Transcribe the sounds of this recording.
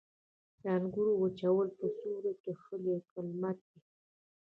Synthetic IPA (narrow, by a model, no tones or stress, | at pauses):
d̪aŋɡuɾowət͡ʃawəlpəsuɾakexəlekəlmat̪̚d̪i